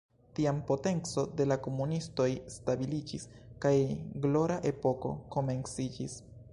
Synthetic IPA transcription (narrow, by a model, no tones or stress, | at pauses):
tiampo̞te̞nt͡so̞de̞lako̞munisto̞jstabilid͡ʒiskajɡlo̞ɾaʔe̞po̞ko̞̰ko̞me̞nsid͡ʒis